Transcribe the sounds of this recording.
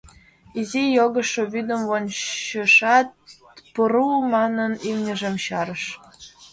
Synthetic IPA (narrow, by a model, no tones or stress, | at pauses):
izijoɣɤ̆ʃːoβyd̪ə̆mvonə̆ʂɑt̪̚ | pɤɾumɑnɤ̆nimnʲɘ̆ʒĕmɕɑɾə̆ʃ